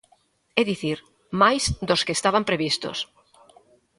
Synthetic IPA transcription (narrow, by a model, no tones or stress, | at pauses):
ɛðiθiɾ | majzd̪oskest̪aβampɾeβist̪o̰s